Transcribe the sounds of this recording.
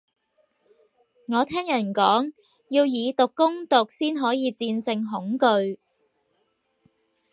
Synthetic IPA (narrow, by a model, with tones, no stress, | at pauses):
ŋɔː˨˧t̪ʰɛː˥ŋjɐ˨˩nkɔː˨˥ŋ | jiː˧wjiː˨˧t̪ʊ˨˩kːʊ˥ŋt̪ʊ˨k̚siː˥nɦɔː˨˥jiː˨˧t͡siː˧nsɪ˧ŋɦʊ˨˥ŋkɵ˧ɥ